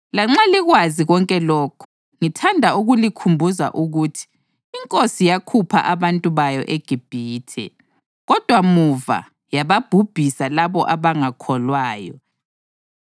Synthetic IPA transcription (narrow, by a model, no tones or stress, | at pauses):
laŋ͡ǁaliɣwaziɣɔŋkʼɛlɔːkʰu̥ | ŋitʰandʱauɣulikʰumbʱuza̰ʔuɣutʰi̥ː | ŋkʼosijakʰupʰa̰ʔaβantʼuβajɔʔeɡ̥ʱib̥ʱiːtʰɛ̰ | ɣɔd̥ʱwamuva̰ | jaβab̥ʱub̥ʱisalaβɔ̰ʔaβaŋakʰɔlwaːjɔ̰